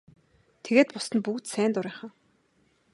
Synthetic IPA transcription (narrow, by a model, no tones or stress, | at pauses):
t̪ʰeɣeːt̪̚pʊsə̆npukt̪sæːnt̪ʊɾæːχə̆